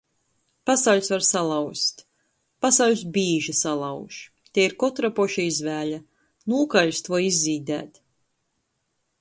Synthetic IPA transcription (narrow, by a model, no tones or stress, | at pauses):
pasawʎʲsvaɾsalˠawst̪ | pasawlʲs̬biːʒisalˠawʃ | t̪ʲeiɾkɔt̪ɾapɔʃiizvæːʎa | nuːkaʎʲst̪uɔizːiːd̪æ̰ːt̪